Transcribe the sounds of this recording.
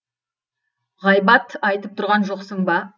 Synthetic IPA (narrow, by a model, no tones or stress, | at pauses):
ʁɑjbɑt̪ɑjt̪əp̚t̪ʰʊɾʁɑnʒoqsəmbɑ